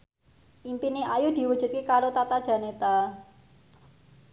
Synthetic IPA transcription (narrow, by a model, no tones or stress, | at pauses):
ʔimpineʔajud̪̥i̤wud̥ʒ̥ṳt̪̚kekaɾot̪at̪ad̥ʒ̥a̤net̪a